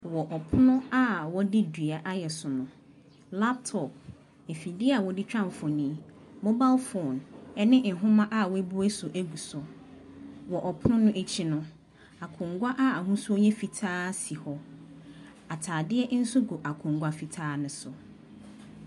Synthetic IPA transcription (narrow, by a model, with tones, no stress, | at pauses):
wɔ˨ʔɔ˨pʰʊ˦nʊ̃˦a˦wɔ˦dɪ˦dɥa˨ʔa˦jɛ˨sʊ˨nʊ̃˨ | la˦p̚tʰɔ˨p̚ | e˨fi˨dɪ˦a˨wɔ˨dɪ˦t͡ɕᶣã˦m˨fɔ̃˨nĩ˨˦ | mɔ̃˦ba˦lfɔ˨nɛ˦nɪ̃˦n̩˨ɦʊ̃˦mã˦ʔa˦˨wɔ˦æ˦bu˦e˦sʊ˨ʔæ˦ɡu˨sɔ˨ | wɔ˨ʔɔ˨pʰʊ˦nʊ̃˦nʊ̃˦ʔe˨t͡ɕʰi˨nʊ̃˦ | a˨kʰʊ̃˨ŋɡʷa˦ʔa˦a˨ɦũ˦su˦ɔ˦ɲɛ̃˦fi˨tʰaː˦si˨hɔ˦ | a˨tʰaː˨dɪ˦ɛ˦n̩˦sʊ˦ɡo˨ʔa˨kʰʊ̃˨ŋɡʷa˨fi˨tʰaː˦nʊ̃˨sʊ˨